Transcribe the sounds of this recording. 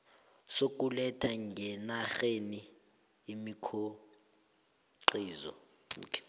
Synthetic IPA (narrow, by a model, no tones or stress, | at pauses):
sok̬ʼulɛtʰaŋɡʱɛnaxeniː | mikʰo | ǃiːzɔ̰ | ṵːkʰɛ̥